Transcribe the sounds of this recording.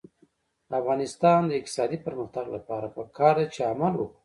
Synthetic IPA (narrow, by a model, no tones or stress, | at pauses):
afɣɑnɪst̪ɑnd̪əɪk̚t̪ɪ̥sɑd̪ipəɾməxt̪aɡlapɑɾapəkʰɑɾd̪at͡ʃeamalwuk